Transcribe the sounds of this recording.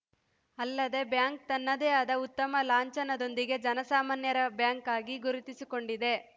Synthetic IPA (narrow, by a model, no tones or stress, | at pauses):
ɐlːɐd̪e̞bjaːŋk̚t̪ɐnːɐd̪eɐd̪ɐut̪ːɐmɐlaːɲt͡ʃɐnɐd̪o̞nd̪iɡe̞d͡ʒɐnɐsaːmaːnjɐɾɐbjaːŋkaːɡiɡuɾut̪isiko̞ɳɖid̪e̞